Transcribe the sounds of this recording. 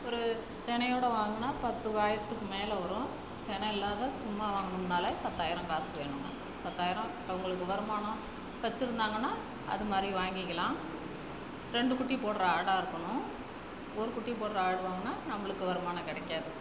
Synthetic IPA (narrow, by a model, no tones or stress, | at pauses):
ɔɾɯ | t͡ʃɛnɐjoːɽɐʋaːŋɡɐnːaːpɐt̪ːɯʋaːjɪɾɐt̪ːɯkːɯmeːlɐʋɐɾʊ̃ | t͡ʃɛnɐɪlːaːðɐsʊmːaʋaːŋɡɐɯmnaːlɐpɐt̪ːaːjɪɾɐ̃kaːsɯʋḛːɳɯŋɡɐ | pɐt̪ːaːjɪɾɐ̃ | ɐʋɐŋɡɐɭɯkːɯʋɐɾɯmaːnɐ̃ | ʋɐt͡ʃːɯɾɯnd̪aːŋɡɐnːaː | ɐ̰ðɯmaːd̪ɾiʋaːŋɡɪkːɐlãː | ɾɛɳɖɯkʊʈːipoːʈɾɐaːɽaːɪɾɯkːɐɳʊ̃ | ɔɾɯkʊʈːip̬oːʈɾɐaːɽɯʋaːŋɡɐnːaːnɐmːɐɭɯkːɯʋɐɾɐmaːnɐkɪɽɐkːaːðɯ